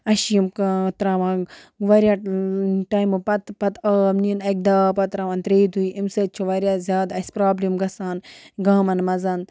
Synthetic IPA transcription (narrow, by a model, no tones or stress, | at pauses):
ɐʃimkt̪ɾaːʋãː | ʋɐɾʲjaːʈaːjmɨpɐt̪pɐt̪ɐːmninɐk̚d̪aːpɐt̪ɾaːʋaːnt̪ɾeːd̪ujimsɐt̪̚t͡ʃʰuʋɐɾʲjaːzʲjaːd̪ɐsʲpɾaːblimɡɐsaːnɡaːmɐnmɐzɐn